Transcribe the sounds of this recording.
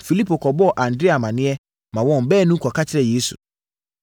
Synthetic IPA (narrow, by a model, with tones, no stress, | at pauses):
fi˨li˦pʰo˨kʰɔ˨bɔ˦ɔ˨ʔã˨n̩dɾe˦a˨mã˨nɪ̃˦ɛ˦ | mã˨wɔ̃˦m̩˨bɛː˦˨nũ˦kʰɔ˨kʰa˦t͡ɕʰɪ˦ɾɛ˨jeː˦su˨